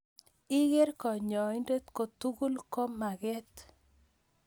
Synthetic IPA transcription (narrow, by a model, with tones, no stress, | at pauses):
ɪ˦ɡe˦ɾkɔ˨ɲɔ˨ɪ˦nde˦t̪ko˨t̪u˦ɡu˦lko˦ma˨ɡɛ˦t̪